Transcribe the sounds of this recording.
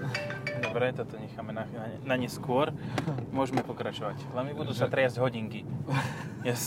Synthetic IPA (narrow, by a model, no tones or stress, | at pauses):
d̪ɔbɾɛt̪ɔt̪ɔɲɛxaːmɛnanaɲɛnaɲɛskʊɔɾmʊɔʒɛmɛpɔkɾat͡ʃɔʋacalɛmibud̪uːsat̪ɾɛazɟɦɔɟiŋki | ja